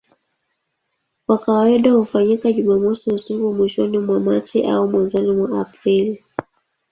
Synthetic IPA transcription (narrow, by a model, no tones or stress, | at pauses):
kwakaaiɗahufaɲikaʄumamɔsihusukumwiʃɔnimwamat͡ʃḭʔa̰umwanzɔnimwaapɾili